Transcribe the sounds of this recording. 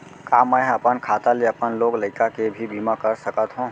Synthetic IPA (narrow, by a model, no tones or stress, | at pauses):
kaməjəpənkʰat̪aleəpənloɡləɪkakebʱibimakəɾsəkət̪ɦũ